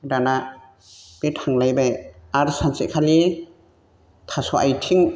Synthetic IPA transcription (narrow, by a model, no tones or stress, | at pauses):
dana | b̥etʰaŋlajbajaɾsansḛkʰali | tʰasɔʔajtʰiŋ